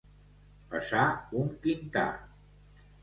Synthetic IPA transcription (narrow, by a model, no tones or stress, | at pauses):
pə̰saumpint̪a̰